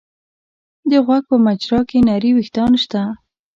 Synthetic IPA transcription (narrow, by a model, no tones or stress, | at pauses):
d̪əɣwaɡ̚pəmat͡ʃɾɑkenaɾiwixt̪ɑnʃt̪a